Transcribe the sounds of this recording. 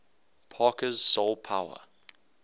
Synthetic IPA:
pʰɑːˑkəz̥solˠpʰaʊə̰

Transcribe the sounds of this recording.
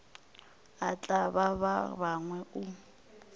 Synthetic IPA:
at͡ɬʼaβaβa̰βaŋwɛʊ

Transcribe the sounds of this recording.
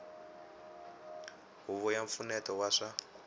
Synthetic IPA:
ɦuβɔjaɱfunɛtɔwaʂa

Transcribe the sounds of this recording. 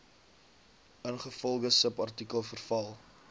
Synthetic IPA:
ənχəfɔlˠɡəsəpɐrtikəlˠfərfɐlˠ

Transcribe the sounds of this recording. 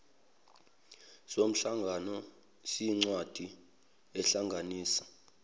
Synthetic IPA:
som̩ɬaŋɡʱanɔ | siŋ͡ǀwad̥ʱi | ɛɬaŋɡʱaniːsḁ

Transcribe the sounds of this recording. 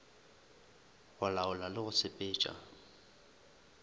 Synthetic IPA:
ɣʊlaʊlalɪɣʊsɪpʼɪːt͡ʃʼa̰

